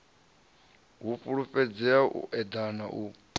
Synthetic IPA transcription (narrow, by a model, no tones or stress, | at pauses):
ɦufʼuɺufʼɛd͡zɛaʔṵʔɛd̪ana̰ʔu